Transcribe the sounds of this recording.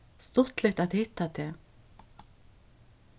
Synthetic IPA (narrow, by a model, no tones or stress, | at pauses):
st̪ʊht̪lɪht̪at̪hɪht̪ːat̪ʰɛː